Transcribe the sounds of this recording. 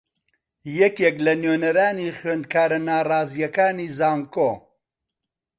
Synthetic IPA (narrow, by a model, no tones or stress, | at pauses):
jɛkeklɐnjeːnɐɾaːniχwend̪̚kʰaːɾɐnaːraːzijɐkaːnizaːŋkoː